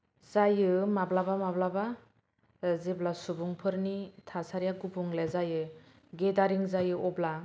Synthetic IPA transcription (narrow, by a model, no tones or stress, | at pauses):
zajɯmablabamablaba | ziblasubuŋpʰɯɾnitʰasaɾijaɡubʰuŋlezajɯ | ɡedaɾiŋzajɯɔbla